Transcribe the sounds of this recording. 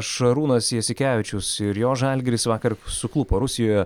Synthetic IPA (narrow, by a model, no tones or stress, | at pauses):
ʃɐɾuːnɐsjɛsʲɪkʲæːʋʲɪt͡ʃʲʊsɪɾjoːʒɐlʲɡʲɪɾʲɪsʋɑːkɐɾsʊklˠʊpɐɾʊsʲɪjoːjɛ